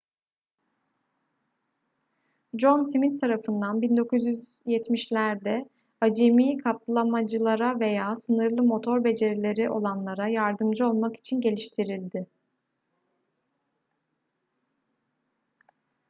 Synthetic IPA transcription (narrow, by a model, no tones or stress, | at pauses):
d͡ʒo̞nsimint̪ʰːaɾafɯnd̪anbind̪o̞kuzjyz | jɛt̪miʃlʲæɾd̪ɛ | ad͡ʒemiːkʰaplˠamad͡ʒɯlˠaɾave̞jaːsɯnɯɾlˠɯmo̞t̪ʰo̞ɾbe̞d͡ʒe̞ɾilʲe̞ɾiʔo̞̰lˠanlˠaɾajaɾd̪ɯmd͡ʒɯo̞lˠmaki̥t͡ʃʰinɟe̞lʲiʃt̪ʰiɾilʲd̪ɪ